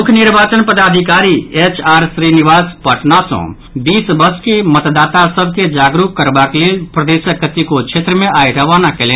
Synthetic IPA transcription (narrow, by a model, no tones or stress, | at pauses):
ukʰniɾbaːt͡ʃənpəd̪ad̪ʱikaɾiet͡ʃaːɾsɾiniʋaːspəʈʰnasɔ̰̃ | biːsbəɾskemət̪d̪at̪asəbʱked͡ʒaɡɾukkːəɾbaklelpɾəd̪esəkːət̪ikot͡ʃʰet̪ɾəmẽʔaiɾəʋanakelen